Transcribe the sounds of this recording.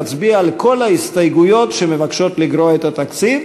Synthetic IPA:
t͡sbiaalko̞laist̪ajɡujo̞t̪ʃemevakʃo̞t̪liɡɾoet̪at̪akt͡sit

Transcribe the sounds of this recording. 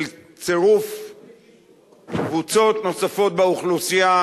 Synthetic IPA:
l | t͡seʁuf | kvut͡so̞t̪no̞safo̞t̪̚beuχlusia

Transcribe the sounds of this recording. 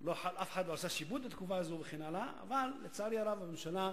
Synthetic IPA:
loħaʔafeħad̪loasaʃibut̪̚bat̪kufaːzubeχenalaʔa̰valːet͡saɾialavamemʃala

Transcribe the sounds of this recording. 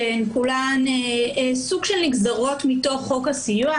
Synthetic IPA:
enkulaneesuɡ̥ʃelniɡzaʁo̞tmito̞χːo̞kasijua

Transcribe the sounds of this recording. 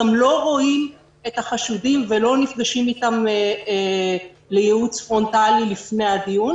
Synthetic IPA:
amlo̞ʁo̞im | e̞t̪haχaʃudimvelo̞nifɡaʃimit̪am | le̞jeut͡sfʁo̞ntalilifne̞jad̪ijun

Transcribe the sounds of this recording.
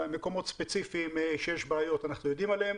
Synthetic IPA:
meko̞mo̞t̪spe̞t͡sifimeʃejeʃbaajo̞tanaχnujo̞d̪imaleem

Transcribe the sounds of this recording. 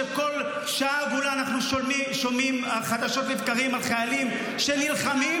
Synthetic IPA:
eko̞l | ʃaaɡulaanaχnuʃʃomimaχad̪aʃo̞tlivkaʁimalχajalim | ʃenilχami

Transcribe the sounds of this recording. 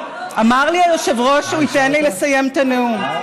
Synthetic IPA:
ʔamaʁliajoʃevʁo̞ʃuit̪enlilesaje̞mt̪aneum

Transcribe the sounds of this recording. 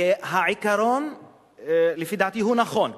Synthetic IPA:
eɦaʕikaɾon | lefid̪aʕt̪iɦunaxon

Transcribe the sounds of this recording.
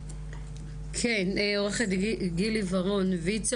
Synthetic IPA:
kʰeneoʁeχed̪ɡilivɐʁonvit͡s

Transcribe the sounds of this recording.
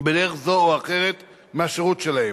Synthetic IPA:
beleχzooaχeʁet̪ | meaʃeʁut̪ʃelae

